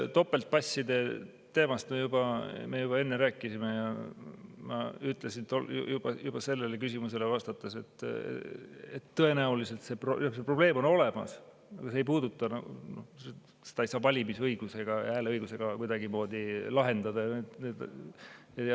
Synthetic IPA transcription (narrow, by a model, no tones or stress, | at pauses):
t̪o̞pːe̞lt̪̚pɑsʲːid̪̥e̞ | t̪e̞ːmɑst̪mejubɑmejub̥ɑe̞nːeɾæːkːˑisime̞jɑ | mɑ̰yt̪ˑlesint̪oljujub̥ɑ̰jub̥ɑse̞lːe̞le̞kysimuse̞le̞vɑst̪ɑt̪ːˑese̞t̪ː | et̪ːɤe̞næulise̞lt̪se̞prooksepro̞b̥le̞ːmo̞no̞le̞mɑ̰s | ɑɡ̥ɑseejpuːd̪̥ut̪ːˑɑnɑɡṵno̰se | sed̪ɑejsɑːpɑlʲimisɤiɡ̥use̞ɡ̥ɑæːleɤjɡ̥use̞ɡ̥ɑkujd̪ɑɡimo̞ːd̪̥ʲilɑɦe̞nd̪ɑd̪ɑjɑet̪ned̪ | jɑjɑ